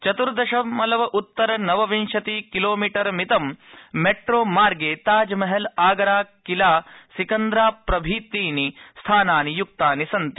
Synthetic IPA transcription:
t͡ʃɐt̪uɾɐd̪ɐʃɐmɐlɐʋɐʔut̪ːɐɾɐnɐʋɐʋinʃɐt̪iːkiloːmiːʈɐɾmit̪ɐmːeʈɾoːmaːɾɡeːt̪aːd͡ʒɐmɐɦɐlaːɡɐɾaːkilaːsikɐnd̪ɾaːpɾɐbʱiːt̪iːnist̪ʰaːnaːnijuk̚t̪aːnisɐnt̪i̥

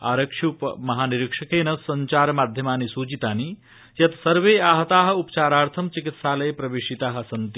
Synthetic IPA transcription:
a̰ːɾɐkʂʰupmɐɦaːniɾikʂɐkeːnɐsːɐɲt͡ʃaːɾmaːd̪ʱjɐmaːnisuːd͡ʒit̪aːni | jɐt̪sɐɾʋeːaːɦɐt̪aːɦɐupt͡ʃaːɾaːɾt̪ʰɐmt͡ʃikit̪saːlɐjpɾɐʋeːʃit̪aːɦɐ̆sɐnt̪i

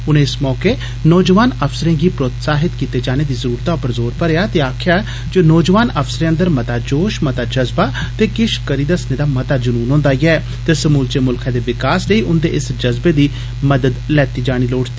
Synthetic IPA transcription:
ʊnẽːɪsmɔːkeː | nɔːd͡ʒəʋaːnəfsəɾẽːɡiːpɾot̪saːɦɪt̪kiːt̪eːd͡ʒaːneːd̪iːzəɾuːɾt̪aːʊpəɾzoːɾpəɾeːaːt̪eːaːkʰjaː | d͡ʒoːnɔːd͡ʒəʋaːnəfsɾeːə̃nd̪əɾmət̪aːd͡ʒoːʃmət̪aːd͡ʒəzbaːt̪eːkɪʃkəɾiːd̪əsneːd̪aːmət̪aːd͡ʒʊnuːnɦõːnd̪aːiɛː | t̪eːsəmuːlt͡ʃeːmʊlkʰɛ̃ːd̪eːʋɪkaːsləiːʔʊnd̪ḛːʔɪsd͡ʒəzbeːd̪iː | məd̪əd̪lɛːt̪iːd͡ʒaːɽ̃iːloːʈt̪iː

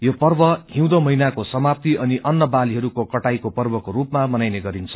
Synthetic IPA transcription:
jopʌrbʌɦĩw̃d̪omʌinakosʌmap̚t̪iʔʌniʔʌnːʌbaliɦʌɾukokʌʈajkopʌrbʌkoɾupmamʌnajneɡʌɾint͡sʰʌ̥

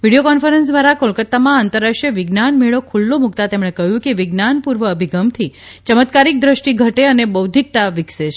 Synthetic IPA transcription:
ʋiɽijokɔnfəɾənsd̪ʋaɾakolkət̪ːamãant̪əɾaʂjəʋɪɡnanmeɭokʰulːomuk̚t̪at̪emɽ̃ekəɦjũkeʋɪɡnanpuɾʋəːbʱiɡəmt̪ʰit͡ʃəmət̪kaɾik̚d̪ɾəʃʈiɡʱəʈeənebəwd̪ʱik̚t̪aʋɪkset͡ʃʰ

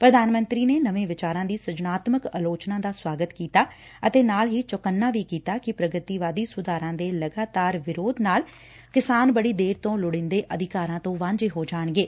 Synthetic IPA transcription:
pɾəd̪aːnmə̃nt̪ɾiːneːnəʋẽːʋɪt͡ʃaːɾãːd̪iːsəd͡ʒnaːt̪məkəloːt͡ʃnãːd̪aːswaːɡət̪kiːt̪aː | ət̪eːnaːlɦiːt͡ʃʊkənːaːʋiːkiːt̪aːkɪpɾəɡət̪iːʋaːd̪iːsʊd̪aːɾãːd̪eːləɡaːt̪aːɾʋɪɾoːd̪naːl | kɪsaːnbəɽiːd̪eːɾt̪õːlʊɽɪ̃nd̪eːʔəd̪ɪkaːɾãːt̪õːʋãːɲd͡ʒeːɦoːd͡ʒaːɳɡeː

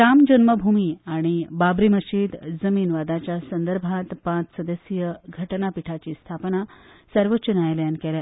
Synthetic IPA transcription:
ɾamd͡ʑənməbʱumiːaɽ̃ibabɾiməɕiːd̪d͡zəmiːnʋad̪at͡ɕjasənd̪əɾbʱãt̪pãt͡ssəd̪əsjəɡʱəʈnapiʈʰat͡ɕiːst̪ʰapna | səɾʋətːɕənajljankɛlja

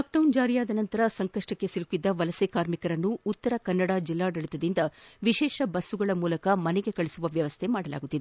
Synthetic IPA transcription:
aːk̚ɖɐwnd͡ʒaːɾijaːd̪ɐnɐnt̪ɐɾɐsɐŋkɐʂʈɐkːe̞silukːid̪ːɐʋɐlɐsekaːɾmikɐɾɐnːuːt̪ːɐɾɐkɐnːɐɽaːd͡ʒilːaːɖɐɭit̪ɐd̪ind̪ɐʋiʃɛːʃɐbɐsːuɡɐɭɐmuːlɐkɐmɐneɡe̞kɐɭisuʋɐʋjɐʋɐst̪ʰemaːɽɐla̰ːɡut̪ːid̪e

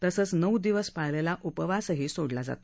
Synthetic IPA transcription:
t̪əsəːt͡snəwd̪iʋəspajlelaʔupəʋasəɦiːsoɽlad͡za̰t̪

